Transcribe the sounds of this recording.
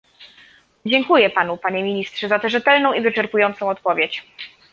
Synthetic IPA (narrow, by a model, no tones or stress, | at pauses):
d͡ʑɛŋkujɛpanupaɲɛmʲiɲistʂɛzat̪ɛʐɛt̪ɛlnɔ̃w̃ivɘt͡ʂɛɾpujɔnt̪sɔ̃w̃ɔt̪pɔvʲjet͡ɕ